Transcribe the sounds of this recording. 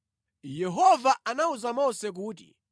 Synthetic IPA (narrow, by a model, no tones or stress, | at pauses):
jɛɦɔvaanauzamɔsɛk̬uːt̬ḭ